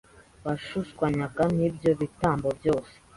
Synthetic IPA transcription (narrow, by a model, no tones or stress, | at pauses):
βaʃuskwaɲakanibjo̞βitaːmbo̞bjo̞ːse̥